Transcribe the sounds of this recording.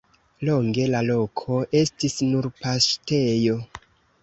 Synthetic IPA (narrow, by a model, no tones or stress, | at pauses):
lo̞ŋɡe̞lalo̞kʰo̞ʔe̞stisnuɾpaste̞jo̞